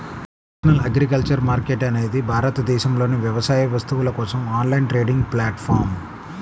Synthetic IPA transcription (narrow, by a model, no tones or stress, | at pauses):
nɐsɐnɐlɐɡɾikɐlt͡ʃɐɾmaːɾkeʈɐne̞ːd̪ibʱaːɾɐt̪ɐd̪ɛːʃɐmlo̞ːniʋjɛʋɐsaːjɐʋɐst̪uʋulɐkɔːsɐmaːnlɐjnʈɾe̞ːɖiŋɡplaːʈfʰaːɾm